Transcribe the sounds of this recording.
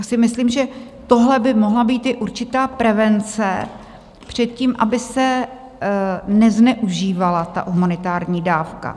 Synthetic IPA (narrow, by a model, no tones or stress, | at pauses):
jaːsɪmɪsliːmʒɛ | t̪o̞ɦlɛbɪmo̞ɦlabiːt̪ɪʔuɾt͡ʃɪt̪aːpɾɛvɛnt͡sɛ | pr̝̥ɛt̪̚ciːmʔa̰bɪsɛ | nɛznɛʔuʒiːvalat̪a̰ɦumanɪt̪aːɾɲiːdaːfka̰